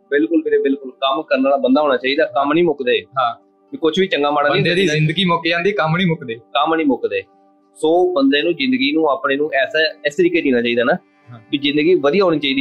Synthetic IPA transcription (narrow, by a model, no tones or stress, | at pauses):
bɪlkʊlmeːɾeːbɪlkʊlkəmkəɾnaːlaːbənd̪aːɦoːnaːt͡ʃaːiːd̪aːkəmniːmʊkd̪eːɦãː | kikʊt͡ʃʰʋiːt͡ʃəŋɡaːmaːɽaːnĩːiɪnd̪əɡiːmɔːkeãːd̪iːkəmniːmʊkd̪eːkəmnĩːmʊkd̪eː | soːbənd̪ẽːnũːzɪ̃nd̪əɡiːnũːaːpneːnũːʔɛːsaːɪst̪əɾiːkeːd̪iːnaːt͡ʃaːiːd̪aːnãː | kiːzɪ̃nd̪əɡiːʋəd̪ijaːɦoːniːt͡ʃaːiːd̪iː